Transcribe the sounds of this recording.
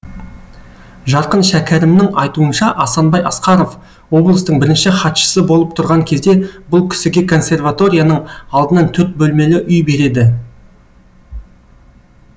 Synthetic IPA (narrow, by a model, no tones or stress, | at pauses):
ʒɑɾqənʃækʲʰæɾɪmnɪŋɑjt̪uənʃɑʔɑsɑnbɑjɑsqɑɾo̞v | wo̞blˠəst̪əɴbɪɾɪnʃɪχɑt̪ʃə̥səbo̞lˠəp̚t̪ʰʊɾʁɑŋkʲʰe̞zd̪e̞bʊlˠkʲʰɪ̥sɪɡʲe̞kʰo̞nsʲe̞rvat̪o̞ɾʲijanəɴɑlˠd̪ənɑnt̪ʰɵɾt̪̚bɵlme̞lɪʔʏjbe̞ɾe̞d̪ɪ